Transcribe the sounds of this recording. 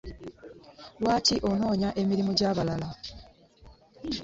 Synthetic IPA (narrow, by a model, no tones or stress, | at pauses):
lwaːciʔo̞no̞ːɲaʔe̞miɾimuɟaːβalala